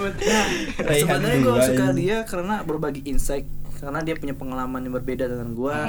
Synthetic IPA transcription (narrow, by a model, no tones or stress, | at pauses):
bət̪asəənaɲaɡasəkaɾiakaɾənabərbaɡiʔinsaɪk̚kaɾənadiapuɲapəŋalamanjaŋbərbedadəŋanɡua